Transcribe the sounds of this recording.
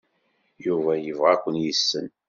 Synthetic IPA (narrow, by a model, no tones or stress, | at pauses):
juvæjəvʁækʷːənjəsːən